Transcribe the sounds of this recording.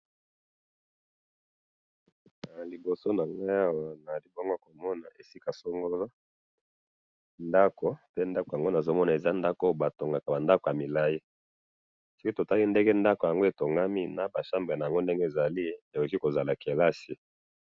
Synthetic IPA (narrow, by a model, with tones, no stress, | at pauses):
a˨li˨bo˨so˦na˨ŋɡo˦a˦wa˨na˨li˦bo˦ŋɡo˦a˨ko˨mɔ˦na˨ʔe˨si˦ka˨so˦ŋɡo˦lo˦ | nda˦ko˨pe˦nda˦ko˨ja˨ŋɡo˦na˨zo˦mɔ˦na˨e˨za˦nda˦ko˦ba˨to˨ŋɡa˨ka˨ba˨nda˦ko˨ja˨mi˨la˦ji˦ | si˦ki˦to˨ta˦li˦nde˦ŋɡe˦nda˦ko˨ja˨ŋɡo˦e˨to˨ŋɡa˦mi˦na˨ba˨ʃa˦mbe˨na˨ja˨ŋɡo˦ndɛ˦ŋɡe˦e˨za˨li˦e˨ko˨ki˦ko˨za˨la˨ke˨la˦si˨